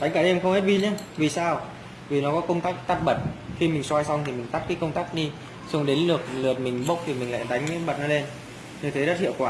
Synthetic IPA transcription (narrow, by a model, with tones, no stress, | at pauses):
t̪a˨˦ŋ̟kaː˧˩ɗe˧mxə˧ŋ͡mhe˦˥t̚ɓi˧ɲa˧vi˨˩saː˧w | vi˨˩nɔ˨˦kɔ˨˦kə˧wŋ͡mt̪aː˦˥k̚t̪aː˦˥t̚ɓə˨˩t̚xi˧mï˨˩ŋ̟swaː˧jsa˧wŋ͡mt̪ʰi˨˩mï˨˩ŋ̟t̪a˦˥t̚kaː˨˦kə˧wŋ͡mt̪aː˦˥k̚ɗi˧ | sə˧ŋ͡mɗe˨˦nlɨ˨˩ək̚lɨ˨˩ət̚mï˨˩ŋ̟ɓə˦˥k͡p̚t̪ʰi˨˩mï˨˩ŋ̟la̰ː˧˨t̪a˨˦ŋ̟˦ɓə˨˩t̚nɔ˨˦le˧n | ɲɨ˧t̪ʰe˨˦ɗə˦˥t̚hḭ˧˨əwkwaː˧˩